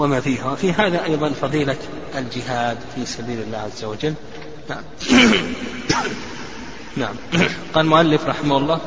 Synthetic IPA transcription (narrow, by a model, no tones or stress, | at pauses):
wamaːfiːɦafiɦaːðaʔɑjðˤɑnfɑðˤiːla | ʔald͡ʒɪɦaːd̪fisabiːlɪlːaːʕazːawad͡ʒal | naʕam | naʕamqɑːlmʊʕalːɪfɾˤɑħɪmahʊlˤːɑː